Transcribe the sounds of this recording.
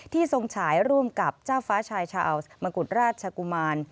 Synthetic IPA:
t̪ʰiː˥˩so˧ŋt͡ɕʰaː˩˦jɾu˥˩əmka˨˩p̚t͡ɕaː˥˩wfaː˦˥t͡ɕʰaː˧jt͡ɕʰaː˧ʔa˧wsma˧ku˨˩t̪̚ɾaː˥˩t̪̚t͡ɕʰa˧ku˧maː˧n

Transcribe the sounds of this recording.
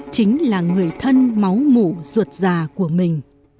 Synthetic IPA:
t͡ɕï˨˦ŋ̟laː˨˩ŋɨ˨˩əjt̪ʰə˧nma˨˦wmu˧˩zwə˨˩t̚zaː˨˩ku˧˩əmï˨˩ŋ̟

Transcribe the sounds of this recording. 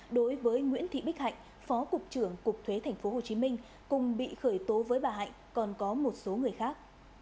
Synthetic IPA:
ɗo˨˦jvəː˨˦jŋwḭ˧˥ənt̪ʰḭ˧˨ɓi˦˥k̚ha̰˧˨jŋ̟ | fɔ˨˦kʊ˨˩k͡p̚t͡ɕɨ˧˩əŋkʊ˨˩k͡p̚t̪ʰwe˨˦t̪ʰa˨˩jŋ̟fo˨˦ɦo˨˩t͡ɕi˨˦mï˧ŋ̟ | kʊ˨˩ŋ͡mɓḭ˧˨xəː˧˩jt̪o˨˦vəː˨˦jɓaː˨˩ɦa̰˧˨jŋ̟kɔ˨˩nkɔ˨˦mo˨˩t̚so˨˦ŋɨ˨˩əjxaː˦˥k̚

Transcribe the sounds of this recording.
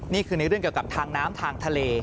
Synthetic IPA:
niː˥˩kʰɯː˧ne˧˦˥ɾɯ˥˩əŋki˨˩əka˨˩p̚t̪ʰaː˧ŋnaː˦˥mt̪ʰaː˧ŋt̪ʰa˧leː˧

